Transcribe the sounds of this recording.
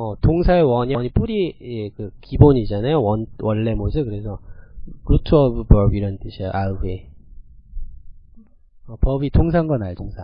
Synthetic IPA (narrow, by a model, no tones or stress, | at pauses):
ʌtoŋsʰaewʌɲʌɲip͈uɾijekɯkiboɲid͡ʑanajowʌnwʌɭːemosʰɯkɯɾe̞sʰʌɾutʰuʌbɯbʌbiɾʌnt͈ɯɕʰijoʔaɯɡe | ʌpʌbitʰoŋs̬ʰaŋɡʌnajtʰoŋsʰa